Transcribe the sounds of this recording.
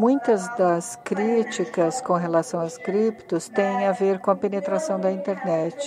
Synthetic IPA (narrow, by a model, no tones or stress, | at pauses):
mũj̃t̪ɐzd̪ɐskɾit͡ʃikɐskõɦelasɐ̃w̃askɾipt̪ʊst̪ẽj̃aveɾkõɐpenet̪ɾasɐ̃w̃d̪ɐĩnt̪eɾnɛt͡ʃɪ̥